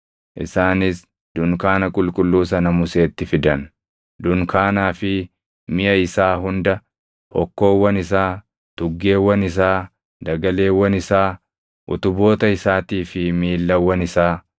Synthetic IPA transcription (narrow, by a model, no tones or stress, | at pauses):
ʔɪ̰saːnɪs | d̪̥ʊŋkaːnɐkʼʊlkʼʊlːuːsɐnɐmʊse̞ːt̪ːɪfɪd̪ɐn | d̪ʊŋkaːnaːfɪ | mɪʔɐɪsaːhʊnd̪ɐ | hɔkːo̞ːwːɐnɪsaː | t̪ʊɡːe̞ːwːɐnɪs̬aː | d̪ɐɡɐle̞ːwːɐnɪsaː | ʔʊ̰t̪ʊbo̞ːt̪ɐɪsaːt̪iːfɪmiːlːɐwːɐnɪsaː